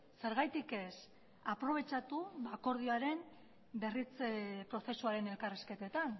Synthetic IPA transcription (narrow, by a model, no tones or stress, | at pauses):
se̞ɾɣ̞ajt̪ike̞s | apɾo̞β̞e̞t͡ʃat̪uβako̞ɾð̞ioaɾe̞m | be̞rit͡spɾo̞θe̞suaɾe̞ne̞lkariske̞t̪e̞t̪an